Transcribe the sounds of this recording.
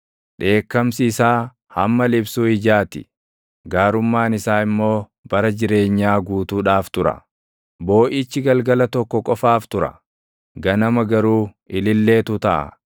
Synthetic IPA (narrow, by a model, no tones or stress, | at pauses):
ᶑe̞ːkːɐmsɪːsaː | hɐmːɐlɪbsuːɪd͡ʒaːt̪ɪ̰ | ɡaːɾʊmːaːnɪsaːɪmːo̞ː | b̥ɐɾɐd͡ʒɪɾe̞ːɲːaːɡuːt̪uːᶑaːft̪ʊɾɐ̰ | bo̞ːʔɪt͡ʃːɪɡɐlɡɐlɐt̪ɔkːɔkʼɔfaːft̪ʊɾɐ̰ | ɡɐnɐmɐɡɐɾuː | ɪlɪlːe̞ːt̪ʊt̪ɐʔɐ̰